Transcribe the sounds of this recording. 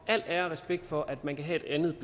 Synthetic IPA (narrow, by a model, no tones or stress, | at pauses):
æl̰d̥æɐʁɛsb̥eɡ̥̚d̥fɒ̽ʔæd̥mænkʰæɦɛ̰e̝d̥ænð̩ˠb̥